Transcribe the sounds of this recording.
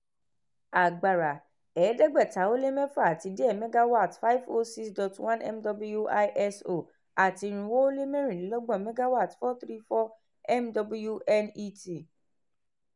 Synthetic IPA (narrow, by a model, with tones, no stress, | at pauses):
a˨ɡ͡ba˨ɾa˨ | ɛː˨˦dɛ˦ɡ͡bɛ˦˨ta˨˦o˦le˦mɛ̃˦fa˦˨a˨ti˨˧de˦ɛ˦˨mɛ̃˦ɡa˦wɔ˦a˦˨tfa˦i˦vo˦si˦sdɔ˨twã˦nɛ̰˦mdɔ˧bu˦ju˦ʔa˧jʔɛ˦so˦˨ | a˨ti˧ɾ̃ũ˧wo˦o˦le˦mɛ̃˦ɾ̃ĩ˨nĩ˨˦lɔ˦ɡ͡bɔ̃˦˨mɛ̃˦ɡa˦wɔ˦a˦˨tfɔ˦t̪ɾi˦fɔ˦ | ɛ˦mdɔ˧bu˦ju˦ʔɛ˦ni˦ti˦˨